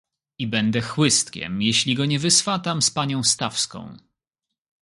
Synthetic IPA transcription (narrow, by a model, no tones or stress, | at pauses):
ibɛnd̪ɛxwɘst̪kʲɛ̰mjeɕlʲiɡɔɲɛvɘsfat̪amspaɲɔ̃w̃st̪afskɔ̰̃w̃